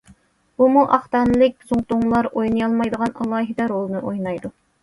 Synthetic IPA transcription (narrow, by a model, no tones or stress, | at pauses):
bumuʔɑχt̪ɑnɨlˠɪk̚ʲbuzuŋt̪uŋlˠɑɾojnɨjɑlˠmɑjd̪əʁɑnɑlˠɑːɦɨd̪ɑɾolˠnɨʔojnɑjd̪u